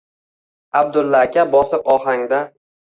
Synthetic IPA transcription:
ab̚d̪ʊlˠːakʲabɒsɪpɒhaŋd̪a

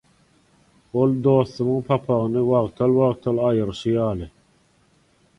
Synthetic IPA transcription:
old̪oθɨməŋpʰɑpʰɑʁnɨwɑʁt̪ʰɑlwɑʁt̪ʰɑlɑjɯɾʃijɑːlɨ

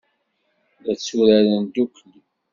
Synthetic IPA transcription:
ðæt͡sːuɾæɾənd̪ukʰːl

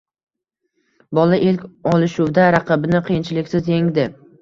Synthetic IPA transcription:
bɒlaʔelkʲɒlˠɪʃʊwd̪aɾɑqʰɨbɪnɪqʰijɪnt͡ʃʰɪlɪkʲsɪzjeŋd̪ɪ

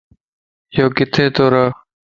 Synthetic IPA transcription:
joːkɪt̪ʰeːt̪oːɾaː

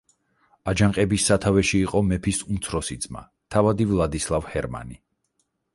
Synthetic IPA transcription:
ad͡ʒaŋqʼɛbisːat̪ʰavɛʃiːqʼɔmɛpʰisumt̪sʰɾɔsid̪zma̰ | t̪ʰavad̪ivlˠad̪islˠavhɛɾma̰ni

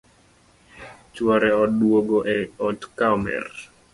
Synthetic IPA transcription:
t͡ʃwɔɾɛɔdwoɡoʔɛɔtkaɔmɛ̰r

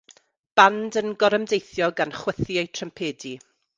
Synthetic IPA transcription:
b̥andənɡɔɾəmdejθjɔɡanχwəθjejtʰrəmpʰeːdi

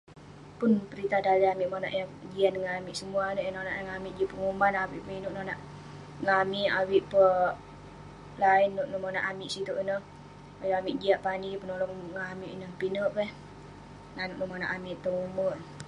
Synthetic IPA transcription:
pʊnpəɾit̪adaliamiʔmonaʔjad͡ʒiaʔdəŋanamiʔsəmuanəjnna̰ʔŋamiʔd͡ʒiaʔpəŋumbanawiʔpəinuʔnonaʔ | ŋamiʔawiʔpə | lainːuʔnumonaʔamiʔsit̪uʔənəh | ajoamiʔd͡ʒiaʔpanipənolɔŋŋamiʔnəhpinəʔpɛh | nanuʔnumana̰ʔamɪʔt̪əŋuməʔ

